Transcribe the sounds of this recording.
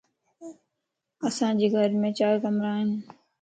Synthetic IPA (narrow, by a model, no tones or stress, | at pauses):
əsãːd͡ʑiːɡʱəɾmẽːt͡ɕaːɾkəmɾaːɦɪn